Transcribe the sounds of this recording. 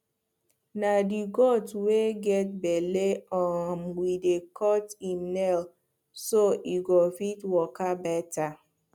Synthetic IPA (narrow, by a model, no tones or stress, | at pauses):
nadiɡɔtweɡɛt̚beleɔmwidekʰɔtimnɛl | soʔiɡofitwɔkabɛta